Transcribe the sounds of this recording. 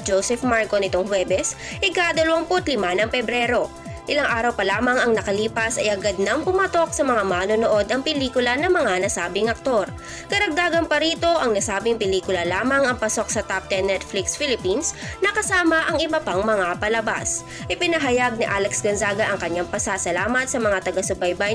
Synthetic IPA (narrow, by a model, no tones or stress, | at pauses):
d͡ʒowsɛfmaɹkonɪt̪oŋhwɛːbɛs | ʔɪkaːd̪ɐlɐwɐŋpʊt̪lɪmanɐŋpɛbɾɛːɾo̞ | ʔɪlaŋʔaːɾɐwpɐlaːmɐŋɐŋnɐkɐliːpɐsɐjʔɐɡɐd̪̚nɐŋpʊmat̪o̞k̚sɐmɐŋamaːnonoʔo̞d̪ɐŋpɪliːkʊlɐnɐŋmɐŋanɐsaːbɪŋʔɐk̚t̪o̞ɾ | kɐɾɐɡ̚d̪aːɡɐnpɐɾiːt̪o̞ʔɐŋnɐsaːbɪŋpɪliːkʊlɐlaːmɐŋɐŋpɐso̞k̚sɐt̪ap̚t̪ɛnːɛt̪̚flɪksfilɪpinsnɐkɐsaːmɐʔɐŋʔɪbɐpaŋmɐŋapɐlɐba̰s | ʔɪpɪnɐɦɐjaɡ̚nɪʔaːlɛksɡɐnzaːɡɐʔɐŋkɐɲːaŋpɐsaːsɐlaːmɐt̪̚sɐmɐŋat̪ɐɡasʊbajbaj